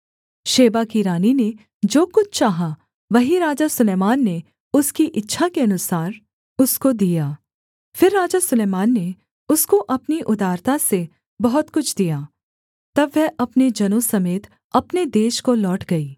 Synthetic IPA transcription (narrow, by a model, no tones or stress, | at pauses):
ʃeːbakiɾaːnine | d͡ʒoːkʊt͡ʃʰt͡ʃaːɦa | ʋɐɦiɾaːd͡ʒasʊleːmaːnːe | ʊskiʔɪtːʃʰakeɐnʊsaːɾ | ʊskod̪ijaː | fɪɾːaːd͡ʒasʊleːmaːnːe | ʊskoʔɐpniʔʊd̪aːɾt̪ase | bɐɦʊt̪kʊt͡ʃʰd̪ijaː | t̪ɐbːɛʔɐpned͡ʒɐnõsɐmeːt̪ | ɐpned̪eːʃkolɔːʈɡɐiː